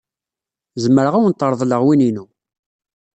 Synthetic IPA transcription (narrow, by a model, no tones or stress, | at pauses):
zəmːəɾəʁawənt̪ˤːəɾˤðˤləʁwininu